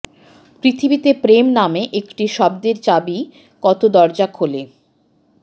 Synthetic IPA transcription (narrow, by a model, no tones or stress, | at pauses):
pɾit̪ʰibit̪epɾemnameʔekʈiʃɔb̚d̪eɾt͡ɕabi | kɔt̪od̪ɔɾd͡ʑakɦole